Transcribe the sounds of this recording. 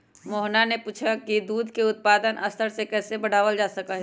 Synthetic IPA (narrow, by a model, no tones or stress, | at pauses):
moːɦnanepuːt͡ʃʰakid̪uːd̪ʱkeʊt̪̚paːd̪ənʔɐst̪ʰəɾsekɛːsebɐɽ̤aːʋəld͡ʒaːsɐkaɦɛ